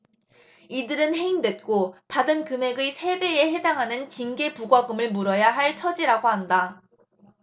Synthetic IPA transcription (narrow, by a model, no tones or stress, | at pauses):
idɯɾɯnɦe̞indwe̞t̚k͈opadɯnkɯme̞ɡɯsʰe̞be̞eɦe̞daŋɦanɯnt͡ɕiŋɡe̞puɡwaɡɯmɯɭmuɾʌjaɦaɭt͡ɕʰʌd͡ʑiɾaɡoɦanda